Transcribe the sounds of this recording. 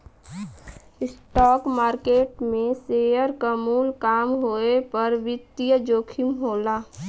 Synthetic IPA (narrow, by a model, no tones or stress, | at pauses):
ɪsʈɔːkmaːɾkeːʈmẽsejəɾkamuːlkaːmɦoːepəɾʋɪt̪ːijəd͡ʒoːkʰɪmɦoːlaː